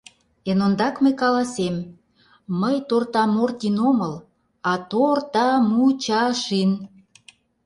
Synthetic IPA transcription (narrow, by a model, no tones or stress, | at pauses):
enond̪ɑkməjkɑlɑsemː | əjt̪ort̪ɑmort̪ʲinoməl | ɑt̪ort̪ɑmut͡ɕɑʃin